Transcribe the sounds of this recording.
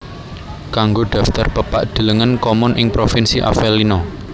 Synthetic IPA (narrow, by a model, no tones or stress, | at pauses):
kaŋɡoɖ̪̥ä̤ft̪ərpəpa̰ʔd̪̥ə̤ləŋənkomʊnʔɪŋpɾofɪnsiʔa̰fɛlinɔ